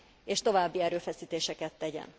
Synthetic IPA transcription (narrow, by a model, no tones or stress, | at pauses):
eːʃt̪o̞vaːbːiɛɾøːfɛsiːt̪eːʃɛkɛt̪ːɛɟɛ̰n